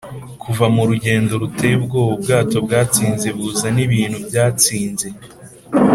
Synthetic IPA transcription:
kʰuvamuɾuɟe̞ːndo̞ɾutebɡo̞ub̚ɡaːto̞bɡaːt͡siːnze̞βuːzaniβiːn̥hubjaːt͡siːnze̞

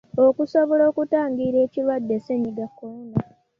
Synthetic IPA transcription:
okusoβolo̞ːkutaːŋɡiɾe̞ːcilwadːe̞seɲiɡakːouna

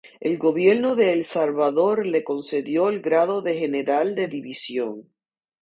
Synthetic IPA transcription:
e̞lɡo̞βje̞ɾnoðe̞ːlsalβaðo̞ɾle̞ko̞nse̞ðjo̞elɡɾaðo̞ðe̞xe̞ne̞ɾald̪e̞ðiβisjo̞ŋ

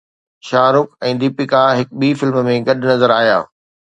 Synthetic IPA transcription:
ʃaːɾʊkɛ̃ːd̪ɪpɪkaɦɪk̚ɓiːfɪlmmẽɡɐɗʊnɐzəɾaːɦija̰ː

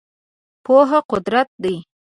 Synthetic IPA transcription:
poɦaqʊd̪ɾat̪̚d̪əj

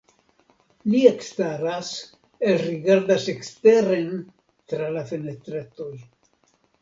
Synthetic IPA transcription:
liekst̪aɾas | elɾiɡaɾd̪asekst̪eɾen | t̪ɾalafenet̪ɾet̪oj

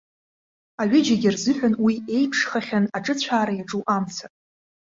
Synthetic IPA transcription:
aɥɪd͡ʒaɡʲɪrzɨħᶣʷʊnwie̞jpʰʂχaχʲanaʈ͡ʂʼɨt͡ɕʷʰaːɾajaʈ͡ʂʼuʔamt͡sʰatʼ

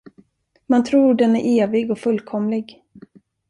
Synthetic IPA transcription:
mant̪ʰɾuːɖɛnæɾʔeːvɪɡɔfɵlkʰɔmlɪɡ

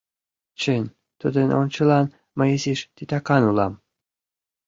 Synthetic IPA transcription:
t͡ɕənʲ | t̪ud̪ə̆no̰nʲt͡ɕə̆lɑn | mɤjisiʃt̪it̪ɑkɑnulɑm

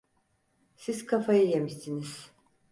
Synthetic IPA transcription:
siz̥kʰafajɯjemisiniz̥

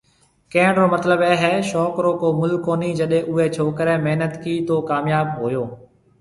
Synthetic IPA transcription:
kẽːɳɾoːmət̪ləbɛːɦɛːʃɔːkɾoːkoːmʊlkoːniːd͡ʒəɗẽːʔʊɦeːt͡ʃʰoːkəɾɛːmeɦnət̪kiːt̪oːkaːmjaːb̚ɦoːjoː

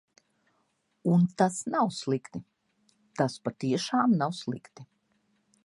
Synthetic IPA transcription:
unt̪asnawslˠikt̪i | t̪aspat̪iɛʃaːmnawslˠikt̪i

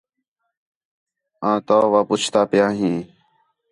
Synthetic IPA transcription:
ãːt̪aːʋaːpʊt͡ʃʰt̪aːpɪjãːɦĩː

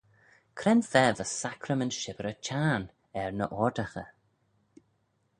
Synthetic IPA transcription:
kʰɾɛnfɛːvəsakʰɾəmənʃɪvəɾət͡ʃʰaːn | ɛɹnəʔɔɹdaxə

